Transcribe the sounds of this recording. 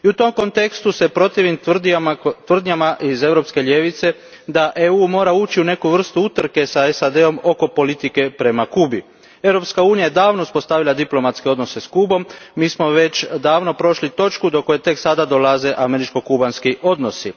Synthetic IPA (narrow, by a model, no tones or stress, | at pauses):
iut̪o̞mkont̪e̞kst̪use̞pɾo̞t̪iʋim | t̪ʋr̩d̪ɲamaʔize̞ʋɾo̞pske̞ʎʲje̞ʋit̪se̞ | d̪aʔeuːmo̞ːɾauːt͡ɕiune̞kuʋr̩st̪uut̪r̩ke̞saesad̪e̞o̞mo̞ko̞po̞lit̪ike̞pɾe̞makuːbi | e̞ʋɾo̞pskauːnijaje̞d̪aːʋnouspo̞st̪aʋilˠad̪iplo̞mat̪ske̞o̞d̪no̞se̞skubo̞mːiːsmo̞ʋe̞t͡ɕd̪aːʋno̞pɾo̞ʃlit̪o̞t͡ʃkud̪o̞ko̞je̞t̪e̞ksad̪ad̪o̞laze̞ʔame̞ɾit͡ʃko̞kubanskiʔo̞d̪no̞si